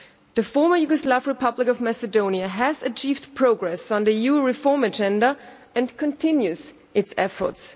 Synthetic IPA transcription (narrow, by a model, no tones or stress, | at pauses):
ðɨfɔɹmə˞juɡəslavɹɨpʰʌblɪkʌvmæsɨdõʊ̃niəæzɨt͡ʃʰiːvdpʰɹ̥oʊɡɹɛsn̩ðɨjuɹɪfɔɹmɨd͡ʒɛ̃ndə | ɨ̃nkʰɨ̃ntʰɪ̃njʉz | ʔɪtsɛfə̰˞ts